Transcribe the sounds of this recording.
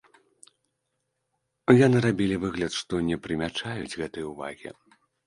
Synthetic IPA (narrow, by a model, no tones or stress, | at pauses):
janɨɾabʲilʲivɨɣlʲɐt̪ʂt̪ɔnʲɛpɾɨmʲat͡ʂajut͡sʲɣɛt̪ɨjuva̰ɣʲḭ